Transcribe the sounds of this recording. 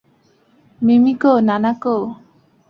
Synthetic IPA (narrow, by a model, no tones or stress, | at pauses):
mimĩkonanako